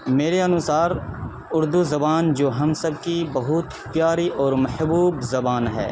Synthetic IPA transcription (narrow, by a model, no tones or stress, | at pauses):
meːɾeɐnʊsaːɾ | ʊɾd̪uzɐbaːnd͡ʒoːɦɐmsɐbkibɐɦʊt̪ | pjaːɾiʔɔːɾmɐħbuːbzɐbaːnɦɛ̰ː